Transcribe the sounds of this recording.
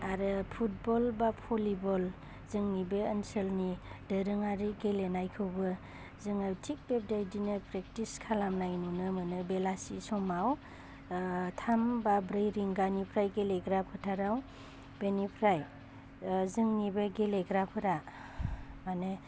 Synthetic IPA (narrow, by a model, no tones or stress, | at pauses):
aɾɯpʰut̚bɔlbapʰɔlibɔl | zɯŋnibeənsɯlnidəɾɯŋaɾiɡelenajkʰɯwbɯ | zɯŋawtʰik̚bep̚dajdinɯpɾek̚tiskʰalamnajnunɯmɯnɯbelasisɔmaw | tʰambabɾɯjɾiŋɡanipʰɾajɡeleɡɾapʰɯtʰaɾaw | b̥enipʰɾaj | zɯŋnibeɡeleɡɾapʰɯɾa | manɯ